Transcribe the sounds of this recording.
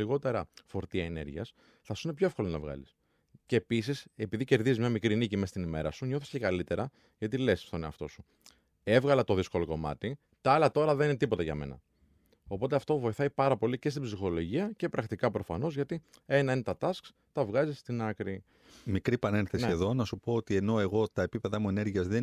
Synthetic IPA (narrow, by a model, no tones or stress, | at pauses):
iɣo̞t̪e̞ɾɐfo̞ɾt̪iɐene̞̰ɾʝiɐ̰s | θɐsu̥ine̞pço̞efko̞lonɐvɣɐ̰lis | ce̞ːpis̬ise̞piðice̞ɾðizizmɲɐmikɾinicimest̪inime̞̰ɾɐsuɲo̞θiscekɐlit̪e̞ɾɐ | ʝɐt̪̬ile̞sst̪oneɐft̪o̞su | e̞vɣɐlɐt̪o̞ðisko̞lo̞ko̞mɐ̰t̪i | t̪ɐɐlɐt̪o̞ɾɐðeninet̪ipo̞t̪ɐʝɐ̰me̞̰nɐ̰ | o̞po̞t̪e̞ɐft̪o̞vo̞iθɐipɐɾɐpo̞lice̞st̪ibzixo̞lo̞ʝiɐce̞pɾɐkt̪ikɐpɾo̞fɐ̰no̞zʝɐt̪ie̞nɐine̞t̪ɐt̪ɐsks | t̪ɐvɣɐzist̪inɐkɾi | mikɾipɐne̞nθeseieðo̞nɐsupoot̪ie̞no̞e̞ɣo̞t̪ɐe̞pipe̞ðɐmue̞ne̞ɾʝiɐzðe